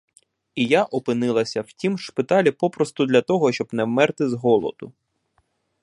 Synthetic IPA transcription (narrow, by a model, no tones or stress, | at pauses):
ijaʔɔpɪnɪlˠɐsʲɐwtʲimʃpɪt̪ɑlʲipɔpɾɔst̪ʊd̪lʲɐt̪ɔɦɔʃt͡ʃɔbnɛwmɛrt̪ɪzɦɔlˠɔ̰d̪̥ʊ̰